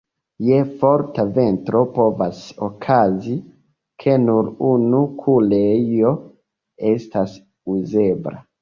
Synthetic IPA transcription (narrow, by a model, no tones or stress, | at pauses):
je̞fo̞ɾtave̞ntɾo̞po̞vasokʰazi | kʰe̞nuɾunukʰulejo̞ | e̞stas | uze̞bɾa̰